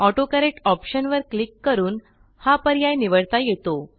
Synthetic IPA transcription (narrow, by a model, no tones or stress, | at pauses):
ɔʈokəɾeʈɔpɕənʋəɾklikːəɾuːn | hapəɾjajniʋəɽt̪ajet̪o